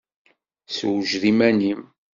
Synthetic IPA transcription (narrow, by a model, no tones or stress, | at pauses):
swʒðimænim